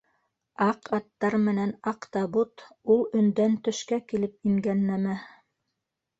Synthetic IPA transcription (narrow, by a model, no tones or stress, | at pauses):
ɑqɑt̪ːɑɾmɘ̆nænɑqt̪ɑbut̪ulˠɵ̆nd̪ænt̪ɵ̆ʃkækilɘp̚iŋɡænːæmæ